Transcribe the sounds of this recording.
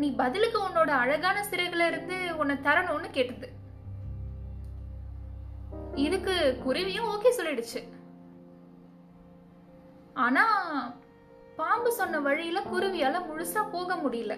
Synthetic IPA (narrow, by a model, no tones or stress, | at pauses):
niːbɐðɪlɯkːɯɔnːoːɽɐɐɻɐɣaːnɐsɪɾɐɪɣɐɭɪɾɯnd̪ɯɔnːɐt̪ɐɾɐnõːnːɯkeːʈːɐðɯ | ɪðɯkːɯkʊɾɪʋɪjʊ̃oːkeːsɔlːɪɽɯt͡ʃːɯ | aːnaː | paːmbɯsɔnːɐʋɐɻɪjɪlɐkʊɾɪʋɪjaːlɐmʊɻʊsaːpoːɣɐmʊɽɪjɪlɐ